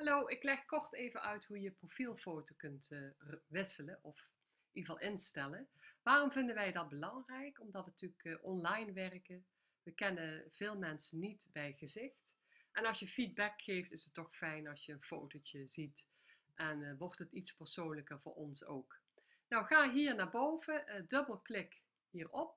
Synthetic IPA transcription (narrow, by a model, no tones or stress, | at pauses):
hɑlowɪklɛxkɔrtejvəʔœɥtɦujəprofilˠfowtokɵntːʋɪsələnʔɔf | ʔiəvɑlˠʔɪnstɛləʋaːrɔmvɪndənʋɛjdɑt̚bəlɑŋrɛjkɔmdɑtʋəntykʔɔnlɑjnʋɛrkə | ʋəkɛnəv̥ɪːlˠmɛnsənitbɛjɣəzɪxt | ʔɛnɑlˠsjəfid̚bɛkxejftɪsətːɔxfɛjnɑsjəənfowtot͡ʃəzit | ʔɛnʋɔrtətitspəɹsoːnləkəɹvʊ̰ːɹɔnso̰wk | nɔwxaːɦiːɹnaːɹbowvədɵbəlˠklɪk | ɦiːɹɔp̚